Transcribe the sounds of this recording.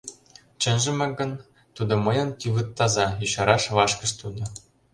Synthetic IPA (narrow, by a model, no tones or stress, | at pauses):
t͡ɕɘ̆nʒɘ̆mɘ̆ɡɤ̆n | t̪ud̪ɤ̆mɤ̆jɤ̆nt̪yβɯt̪ːɑzɑjuɕɑɾɑʃβɑʃkɤ̆ʃt̪ud̪ɤ̆